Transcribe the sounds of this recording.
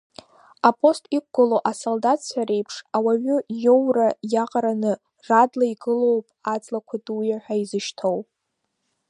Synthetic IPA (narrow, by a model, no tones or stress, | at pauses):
apʰʼo̞stʼik̚ʷɡaloʔasoldatt͡sʷʰaɾe̞jpʰʂawaɥʊjo̞wrajaqʼaɾanɨ | radlaiɡɨlo̞wpʼad͡zʼlakʷʰadʼujaħʷᶣaizɨʃtʰowpʼ